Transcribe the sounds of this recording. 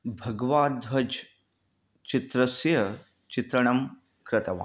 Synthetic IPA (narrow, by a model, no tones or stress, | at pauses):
bʱɐɡʋaːd̪ʋɐd͡ʒ | t͡ʃit̪ɾɐsjɐ | t͡ʃit̪ɾɐɳɐm | kɾɐt̪ɐʋa̰